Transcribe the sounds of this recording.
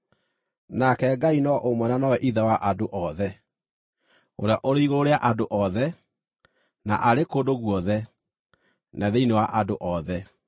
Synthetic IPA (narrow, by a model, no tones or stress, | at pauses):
nakɛɡainɔʔomwɛnanɔwɛʔiðawaʔadoʔɔðɛ | oɾeaʔoɾeiɣoːɾeaʔadoʔɔðɛ | na̰ʔaɾekoːdoɣwɔðɛ | naðeinewaʔadoʔɔðɛ